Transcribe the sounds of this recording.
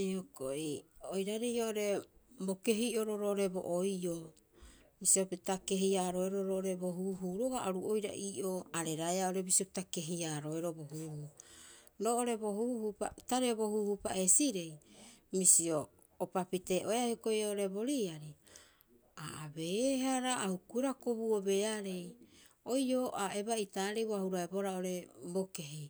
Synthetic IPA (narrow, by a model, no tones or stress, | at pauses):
hokoʔiojɾaɾejoʔoɾe̞boke̞ɦiʔoɾoɾoʔoɾe̞bo̰ʔojo | misiopitake̞ɦiaɾoeɾoɾoːʔoɾeboɦuːɦuːɾoɡaʔaɾuojɾa̰ʔiːʔoaɾeɾaeaoɾe̞bisiopitake̞ɦiaːɾoeɾoboɦuːhu | ɾo̞ːʔoɾe̞bo̞ɦuhupa̰taɾebo̞huːhupa̰e̞siɾe̞jmisio̞ː | papite̞ʔo̞eahihokojoʔoɾe̞bo̞ɾiaɾi | aʔabeɦaɾaahukueɾakobuobe̞aɾe̞j | o̞jo̞ʔae̞baitaːɾeboahuɾaebo̞ɾao̞ɾe̞boke̞ɦi